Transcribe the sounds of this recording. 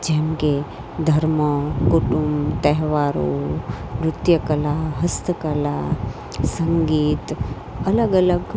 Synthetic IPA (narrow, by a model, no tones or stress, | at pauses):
d͡ʒeɦmke | d̪ʱɐɾməkuʈumbt̪eɦʋaːɾo̰ʋɾut̪jɐkɐlaɦɐst̪əkɐla | sɐŋɡiːt̪ | ɐləɡɐləɡ